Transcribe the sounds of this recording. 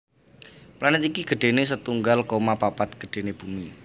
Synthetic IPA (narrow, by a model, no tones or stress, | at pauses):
planɪt̪ikiɡ̥ə̤ɖ̥e̤nes̬ət̪uŋɡalkomapapat̪̚ɡ̥ə̤̥ɖ̥e̤neb̥umi